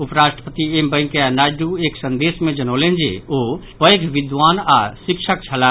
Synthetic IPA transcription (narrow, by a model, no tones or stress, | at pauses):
upɾaʃʈəpət̪iembə̃jŋkeanajɖueksənd̪esmed͡ʒənolend͡ʒḛo | pəjɡʱʋid̪ʋanasikʃʰək̚t͡ʃʰəla